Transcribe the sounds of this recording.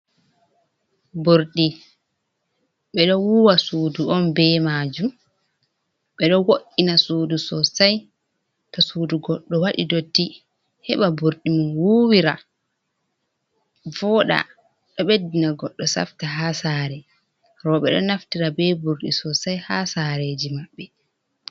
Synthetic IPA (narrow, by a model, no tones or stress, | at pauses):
buɾɗi | ɓɛɗɔwuwasuːduʔɔnbɛmad͡ʒum | ɓɛɗɔwoʔːinasuːdusɔsaj | tɔsuːduɡɔɗːɔwaɗidotːi | hɛɓabuɾɗimunwuwiɾa̰ | vɔɗa̰ | ɗɔɓedːinaɡɔɗːɔsa̰ftaɦasaːɾɛ | ɾɔɓɛ̰ɗɔ̰naftiɾabɛbuɾɗisɔsajhasaɾeːd͡ʒimaɓːɛ